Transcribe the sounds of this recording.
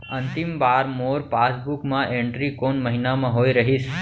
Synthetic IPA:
ənt̪imbaɾmoɾpasbukmãʔẽɳʈɾikonməɦinamãɦoiɾəɦis

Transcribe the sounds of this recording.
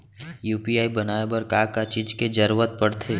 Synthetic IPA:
juːpiaːibɐnaːebəɾkaːkat͡ʃid͡ʒked͡ʒɐɾuʋət̪̚pɐɽt̪ʰeː

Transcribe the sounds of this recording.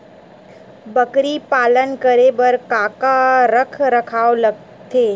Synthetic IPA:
bəkɾipaːlənkəɾebɐɾkaːkaɾəkʰɾəkʰaːolɐɡ | t̪ʰeː

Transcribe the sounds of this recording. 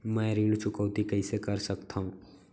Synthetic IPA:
mɛ̃ːɾiːlt͡ʃʊkəːt̪ikɐisekɐɾsɐkt̪aɦũː

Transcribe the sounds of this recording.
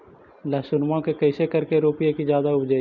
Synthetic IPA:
laːsʊnmãkekɐɪsekɐɾkeɾoːpjekizjaːd̪aʊbd͡ʒa

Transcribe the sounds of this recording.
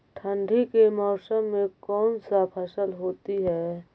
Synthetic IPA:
ʈʰə̃ɳɖʱikemɔːsəmːẽkɔːnsapʰəsəlɦoːt̪iɦɛː

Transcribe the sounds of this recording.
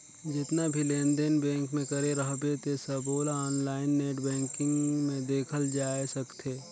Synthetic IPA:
d͡ʒɪt̪nabʱilẽːnd̪enbɛ̃ːŋkmẽkɐɾeɾəɦbet̪esɐboːlaɔːnlaːɪnːeːʈbɛ̃ːŋkɪ̃ŋɡmẽd̪eːkʰəld͡ʒaːesɐkt̪ʰeː

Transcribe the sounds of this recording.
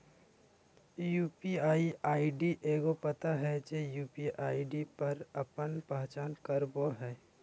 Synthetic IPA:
juːpiaːiaːiɖiʔeːɡopət̪aɦɛd͡ʒejuːpiʔaːiɖipəɾəpənpəɦt͡ʃaːnkəɾboɦɛː

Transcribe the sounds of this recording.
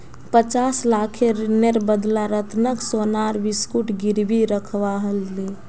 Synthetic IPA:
pət͡ʃaːslaːkʰeɾɪneɾbəd̪laɾət̪nəksoːnaːɾʋɪskuʈʰɡɪɾbiɾəkʰʋaɦəlːe

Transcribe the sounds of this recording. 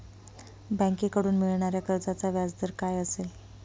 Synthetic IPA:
bə̃ŋkekəɽuːnmiɭɳaɾjakəɾd͡zat͡saʋjad͡zd̪əɾkajəsel

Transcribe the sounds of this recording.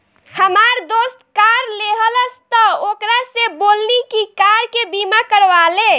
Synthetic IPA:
həmaɾd̪ost̪kaɾleɦələst̪ɔokɾasebolnikikaɾkebimakəɾʋale

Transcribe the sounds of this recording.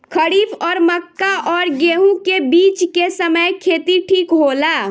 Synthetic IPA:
kʰəɽipɔːɾməkːaʔɔːɾɡeɦũkebit͡ʃkesəməjkʰet̪iʈʰikɦola

